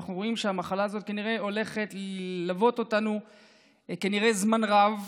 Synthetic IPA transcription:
aχnuʁo̞imʃeamaχalaːzo̞t̪̚kaniʁe̞o̞le̞χe̞t̪llavo̞t̪o̞tanu | kaniʁe̞zmanʁav

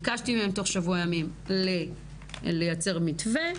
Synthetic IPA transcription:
kaʃtimehemto̞χʃavuajamimle | lejat͡se̞ʁmitve

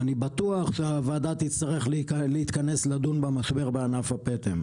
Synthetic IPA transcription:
anibat̪uaχʃeavaːd̪at̪it͡st̪aʁeχlleit̪kaneslad̪unbamaʃbe̞ʁbeanafhapet̪em

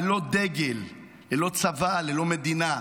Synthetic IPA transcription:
lo̞d̪e̞ɡelː | elo̞t͡savalelo̞med̪ina

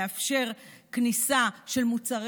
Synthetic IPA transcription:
afʃe̞ʁknisaʃe̞lmut͡saʁ

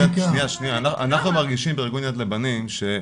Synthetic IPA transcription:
aʃnijaʃnijaːnaʔanaχnumaʁɡiʃimbeʁɡunjat̪lebanimʃe

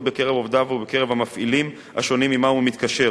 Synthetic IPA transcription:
beke̞ʁevovd̪avubeke̞ʁevamafʔilim | ha̰ʃo̞nimimaumit̪kaʃe̞

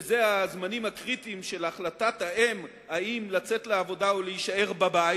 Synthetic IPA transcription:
zeazmanimhakʁitimʃe̞laχlatathaʔem | haimlat͡se̞t̪leavo̞daoleiʃae̞ʁbaba

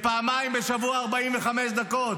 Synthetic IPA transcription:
paːmaimbeʃavuaːʁbaimveχameʃ̬d̪ako̞t̪

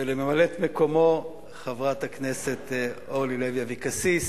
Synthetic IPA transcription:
elememalet̪meko̞mo̞ | χavʁat̪haknese̞t̪olilevjavikasis

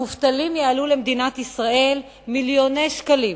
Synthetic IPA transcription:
uft̪alimjaalulemd̪inat̪isʁaʔe̞l | miljo̞nejʃkalim

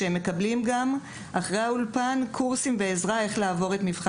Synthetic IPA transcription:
eemːekablimɡam | ʔaχʁejaulpankʰuʁsimve̞ezʁae̞χlaːvo̞ʁe̞t̪mivχa

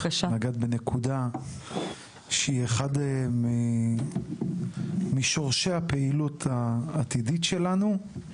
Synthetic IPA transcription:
aʃaaɡad̪benekʰuda | ʃeieχadmi | miʃo̞ʁʃehapeilut̪ʰaːt̪iditʃe̞lanu

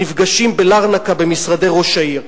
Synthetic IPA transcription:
ivɡaʃimbe̞laʁnakabe̞misʁade̞ʁo̞ʃaiʁ

